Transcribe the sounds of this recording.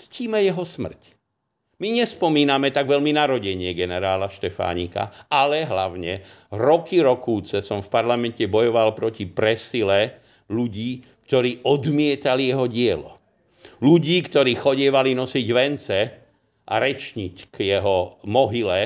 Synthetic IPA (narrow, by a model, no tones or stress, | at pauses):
t͡sciːmɛjɛɦɔsmr̩c | miɲɛspɔmiːnamɛt̪aɡʋɛʎminaɾɔɟɛɲɪɛɡɛnɛɾaːlaʃt̪ɛfa̰ːɲḭːka̰alɛɦlaʊɲɛɾɔkiɾɔkuːt͡sɛsɔmfpaɾlamɛncɛbɔjɔʋalpɾɔcipɾɛsilɛ | ʎuɟiːkt̪ɔɾiːʔɔd̪mɪɛt̪alijɛɦɔɟɪɛlɔ̰ | luɟiːkt̪ɔɾiːxɔɟɪɛʋalinɔsiɟʋɛnt͡sɛ | ʔa̰ɾɛt͡ʃɲickjɛɦɔmɔɦilɛ